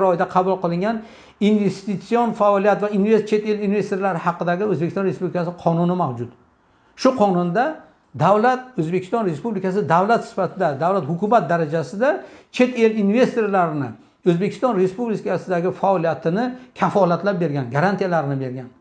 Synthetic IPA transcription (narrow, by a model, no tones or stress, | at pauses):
ɾɒjd̪aqʰɑbʊlˠqɨlˠɪŋɡʲan | inve̞st̪it̪sːionfaɒlijat̪vainvest͡ʃʰe̞t̪e̞linve̞st̪oɾlaɾɪhɑqɨd̪aɡʲɪɵzbekʲɪsɒnɾespublɪkʰasɪɪqʰɒnʊnɪmawd͡ʒʊt̪ | ʃʊqʰɒnʊnd̪a | d̪awlat̪̚ɵzbe̞kʲʰɪ̥st̪ɒnɾe̞spublɪkʲasɪd̪awlat̪sɪ̥fat̪ʰɪd̪ad̪awlat̪hʊkʰʊmat̪̚d̪aɾad͡ʒasɪd̪at͡ʃʰe̞t̪e̞linve̞st̪o̞ɾlaɾɪnɪ | ɵzbekʰʲɪ̥st̪ɒnɾe̞spublɪkʲʰasɪd̪aɡʲɪfaɒlijat̪ʰɪnɪkʲʰafɒlat̪lap̚be̞ɾɡʲanɡaɾant̪ʰijalaɾɪnɪbe̞ɾɡʲan